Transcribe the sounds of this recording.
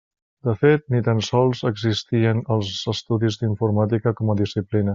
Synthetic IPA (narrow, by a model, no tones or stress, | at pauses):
d̪əfet̪̚nit̪ansɔlˠzəɡzist̪iənəlˠzəst̪uðizd̪iɱfuɾmat̪̬ikəkɔməðisiplinə